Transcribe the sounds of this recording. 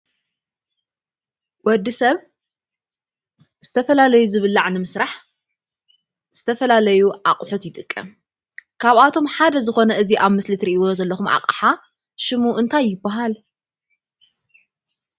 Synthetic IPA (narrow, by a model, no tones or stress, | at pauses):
wɔd̪ːisɐβ | z̥ɨt̪ʰɐfɐlalɐjuzɨβɨlːaʕnɨmɨsɾaħ | z̥ɨt̪ʰɐfɐlalɐjuʔaqʼħut̪jɪt̪ʼɨkʼːɐm | kʰaβat̪ʰo̞mħad̪ɐzɨxo̞nɐʔɨziʔaβmɨslɨt̪ɾiʔiβo̞zɐlːɐxumʔa̰qʼa̰ħa | ʃɨmuʔɨnt̪ʰajːɪbːaɦal